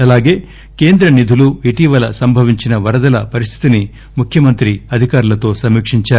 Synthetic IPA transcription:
ɐlaːɡe̞ː | ke̞ːnd̪ɾɐnid̪ʱuluiʈiːʋɐlɐsɐmbʱɐʋiɲt͡ʃinɐʋɐɾɐd̪ɐlɐpɐɾis̬t̪ʰi̥t̪ini | mukʰjɐmɐnt̪ɾiɐd̪ʱikaːɾulɐt̪o̞ːsɐmːiːkʂiɲt͡ʃaːɾu

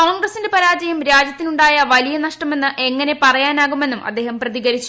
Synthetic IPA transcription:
oːɳɡrɐsinde̞pɐɾaːd͡ʑɐjumɾaːd͡ʑjɐt̪ːinuɳɖaːjɐʋɐlijɐnɐʂʈɐme̞nːɨʔe̞ŋːɐne̞pɐrɐjaːnaːɣume̞nːumʔɐ̰d̪ːe̞ːɦɐmprɐðiɣɐɾit͡ɕːu̥

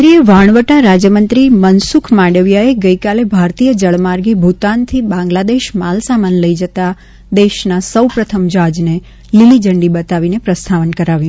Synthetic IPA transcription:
ɾieʋaɳ̃ʋəʈaɾad͡ʒjəmənt̪ɾimənsukʰmaɖəʋjaeɡəikalebʱaɾt̪ijəd͡ʒəɭmaɾɡebʱut̪ant̪ʰibãŋɡlad̪eʃmalsamanləid͡ʒət̪a | d̪eʃnasəwpɾət̪ʰəmd͡ʒad͡ʒne | lilid͡ʒəɳɖibət̪aʋinepɾəst̪ʰaʋənkəɾaʋjũ

